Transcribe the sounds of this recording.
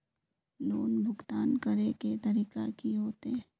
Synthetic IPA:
noːnbʱʊɡt̪aːnkəɾeket̪ɐɾiːkakiɦoːt̪e

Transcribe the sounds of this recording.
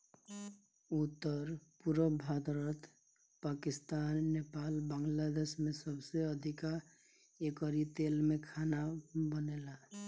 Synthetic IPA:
ut̪ːəɾpuɾəbʱad̪ɾət̪ | pakist̪anːepalbãŋɡlad̪esmẽsəbseəd̪ʱika | ekəɾit̪elmekʰanabənela

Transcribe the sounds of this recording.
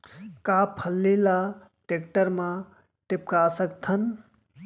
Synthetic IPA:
kapʰəlːila | ʈek̚ʈəɾmã | ʈɪp̚kaːsəkt̪ʰən

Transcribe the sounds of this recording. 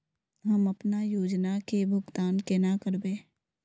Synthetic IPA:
ɦɐməpnajoːd͡ʒnakebʱʊɡt̪aːnkenakəɾbeː

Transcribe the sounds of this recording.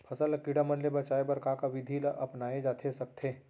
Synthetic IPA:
pʰɐsəlkiɽamɐnlebɐt͡ʃaːebɐɾkãkaʋɪd̪ʱilaʔɐpnaːed͡ʒaːt̪ʰesɐk̚t̪ʰeː

